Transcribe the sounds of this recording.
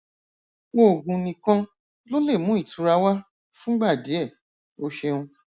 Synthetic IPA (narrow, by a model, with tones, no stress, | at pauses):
wo˦o˨ɡũ˧nĩ˧kã˧ | lo˦le˦˨mũ˨˦i˦˨tu˧ɾa˧wa˦ | fũ˦ɡ͡ba˦˨di˨˦ɛ˦˨ | o˦ʃe˧ũ˧